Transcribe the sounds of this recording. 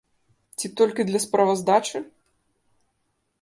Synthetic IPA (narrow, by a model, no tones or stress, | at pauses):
t͡sʲit̪ɔlʲkʲid̪lʲɐspɾɐvɐzd̪at͡ʂɨ